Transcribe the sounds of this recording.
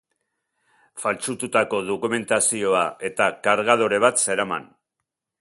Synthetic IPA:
falt͡sut̪ut̪ako̞ðo̞kume̞nt̪asio̞aʔe̞t̪akaɾɣað̞oɾe̞β̞at̪se̞ɾama̰n

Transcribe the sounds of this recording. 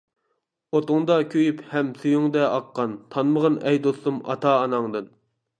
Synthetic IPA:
ot̪ʊŋd̪ɑkʲʰøjyphɛmsujuŋd̪ɛʔɑqːɑnt̪ʰɑnməʁənɛjd̪ost̪umɑ̰t̪ʰɑːnɑŋd̪ɨn

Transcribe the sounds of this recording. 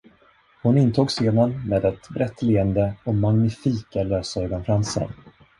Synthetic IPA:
hʊnɪnt̪ʰuːɡseːnaɾmeːd̪ɛt̪bɾɛt̪ːleːənd̪əɔmaŋnɪfiːkaløːsaœːɡɔnfɾansə̰ɾ

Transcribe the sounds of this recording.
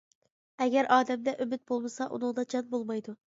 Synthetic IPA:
ɛɡʲɛɾʔɑːd̪ɛmd̪ɛʔymɪt̪̚bolˠmɨsɑʔṵnɨŋd̪ɑd͡ʒɑnbolˠmɑjd̪u

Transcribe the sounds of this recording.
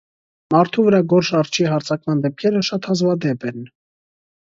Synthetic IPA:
mɑɾt̪ʰuvəɾɑɡɔɾʃɑrt͡ʃʰiɦɑɾt͡sʰɑkmɑnd̪ɛp̚kʰɛɾəʃɑt̪hɑzvɑd̪ɛpɛn

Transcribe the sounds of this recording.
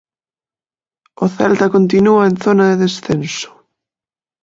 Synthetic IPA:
oθɛlt̪akont̪inuaenθonaðeðesθenso̥

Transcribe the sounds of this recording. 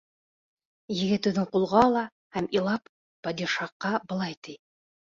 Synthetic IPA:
jɘ̆ɡɘt̪ɘ̆ðɘɴqulˠʁɑlˠɑ | hæmilˠɑpː | ɑd̪ʲiʃɑqːɑbɤ̆lˠɑjt̪ij

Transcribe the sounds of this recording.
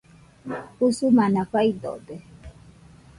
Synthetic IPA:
usumanafaid̪ɔ̰dɛ

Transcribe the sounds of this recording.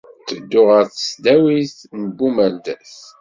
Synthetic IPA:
t͡sːəd̪ːʊʁəɾθə̥sd̪æwiθnəbːumæld̪æs

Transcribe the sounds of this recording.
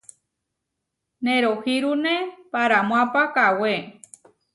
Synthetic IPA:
nẽɾohiɾunẽpaɾamw̃ãpakawe

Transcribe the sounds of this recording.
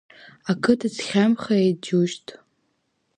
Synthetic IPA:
akʰɨtʰɨt͡sʰχʲamχaed͡ʒuʃtʼ

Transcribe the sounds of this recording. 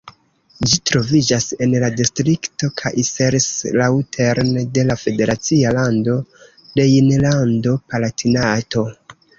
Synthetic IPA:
d͡ʒitɾo̞vid͡ʒase̞nladistɾikto̞kʰajʔiseɾslautʰeɾnde̞lafe̞de̞ɾat͡sialando̞ | de̞inlando̞palatʰinato̞

